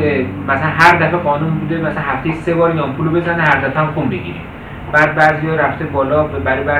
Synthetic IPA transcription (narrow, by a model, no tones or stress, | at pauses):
emæslænɦæɾd̪æfeɣɒːnumbud̪emæsalænhæft̪ʰejisebɒːɾjɒːmpʰulobezænehæɾd̪æfeamxumbeɡʲḭɾḭ | b̥æːd̪̚bæːzijɒːɾæft̪ebɒːlɒːbebæɾibæ